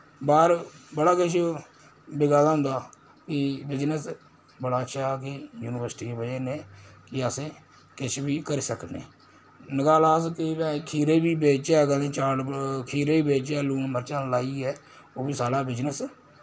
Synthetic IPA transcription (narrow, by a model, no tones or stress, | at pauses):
baːɾbəɽaːkɪt͡ʃʰ | bɪɡaːd̪aːɦʊ̃nd̪aː | kɪbɪd͡ʒnəs | bəɽaːəʃʰaːk̬ejuːnɪʋəɾsʈiːbəeːneːkɪəsẽː | kɪt͡ʃʰbiːkəɾːsəknḛː | nəɡaːlaːskɪbɛ̃ːkʰiːɾeːbiːbeːt͡ʃaːɡəlẽːt͡ʃaːɖkʰiːɾeːiːbeːt͡ʃaːluːnməɾt͡ʃãːlaːiːɛː | oːbiːsaːɽaːbɪd͡ʒnəs